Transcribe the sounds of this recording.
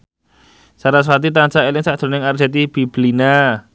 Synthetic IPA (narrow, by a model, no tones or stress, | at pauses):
saɾas̬ɾat̪̬it̪ansaelɪŋsad̪̥o̤nɪŋard͡ʒɛt̪ib̥ib̥lina